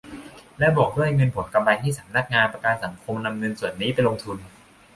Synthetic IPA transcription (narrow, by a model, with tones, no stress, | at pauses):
lɛ˦˥bɔː˨˩k̚du˥˩˨hjŋɤ˧npʰo˩˦nka˧mla˧jt̪ʰiː˥˩sa˩˦mna˦˥k̚ŋaː˧npɾa˧kaː˧nsa˩˦ŋkʰo˧mna˧mŋɤ˧nsu˨˩ənːiː˦˥pa˧nlo˧ŋt̪ʰu˧n